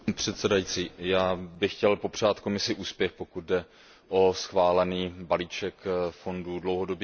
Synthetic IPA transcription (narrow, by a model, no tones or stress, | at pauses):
pr̝̥ɛt̪sɛdajit͡siːjaːbɪxcɛlpo̞pr̝̥aːt̪ko̞mɪsɪʔuːspjɛxpo̞kut̪̚dɛ | ʔo̞sxvaːlɛniːbaliːt͡ʃɛkfo̞ndudlowɦo̞do̞bjɛ